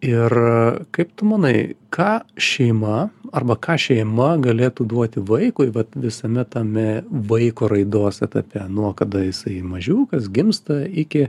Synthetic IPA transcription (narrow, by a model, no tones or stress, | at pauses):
ɪrkɐɪpt̪ʊmɐnɐɪkʰɑːʃʲɛɪmɐɐrbɐkɑːʃʲɛɪmɐɡɐlʲeːt̪uːd̪uɔt̪ʲɪʋɐɪkʊɪʋɐt̪ʋʲɪsɐmʲɛt̪ɐmʲɛʋɐɪkoːɾɐɪd̪oːsɛt̪ɐpʲɛnuɔkɐd̪ɐjɪsɐɪmɐʒʲuːkɐsɡʲɪmst̪ɐɪkʲɪ